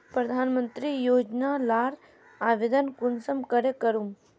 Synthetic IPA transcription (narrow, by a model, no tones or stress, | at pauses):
pɾɐd̪ʱaːnmənt̪ɾijoːd͡ʒnalaːɾ | aːʋed̪ənkunsəmkəɾekəɾum